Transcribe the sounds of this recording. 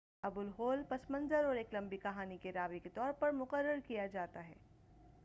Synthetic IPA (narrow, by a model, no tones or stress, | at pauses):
ɐbʊlɦoːlpɐsmə̃nzəɾɔːɾeːklɐ̃mbikɐɦaːnikeɾaːʋeket̪ɔːɾpɐɾmʊqəɾːəɾkijad͡ʒaːt̪aɦɛː